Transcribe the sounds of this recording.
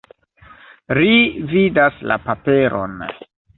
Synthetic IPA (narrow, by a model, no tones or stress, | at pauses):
ɾividasla̰pape̞ɾo̰n